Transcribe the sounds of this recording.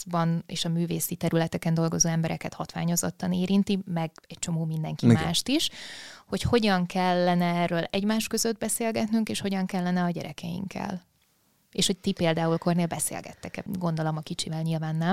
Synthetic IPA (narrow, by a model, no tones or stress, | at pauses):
bɒnḛːʃɒmyːveːsit̪ɛɾylɛt̪ɛkɛnd̪o̞lɡo̞zoːɛmbɛɾʔɛkɛt̪hɒt̪ʋa̰ːɲo̞zo̞t̪ːɒneːɾint̪imɛɡɛct͡ʃo̞moːmind̪ɛŋkimaːʃt̪iʃho̞cho̞ɟɒŋkɛlːɛnɛɛrːøːlɛɟmaːʃkø̞zø̞d̪̚bɛseːlɡɛt̪nyŋkeːʃho̞ɟɒŋkɛlːɛnɛɒɟɛ̰ɾɛ̰kɛjḭŋkʰɛ̰l | eːʃho̞ct̪ipeːld̪aːulko̞rneːlbɛsḛːlɡɛ̰t̪ːɛkɛɡo̞nd̪o̞lomɒkit͡ʃivɛlɲilvaːnːɛm